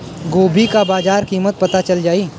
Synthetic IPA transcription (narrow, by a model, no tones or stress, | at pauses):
ɡoːbʱikabaːd͡ʒaːɾkiːmət̪̚pɐt̪at͡ʃɐld͡ʒaːi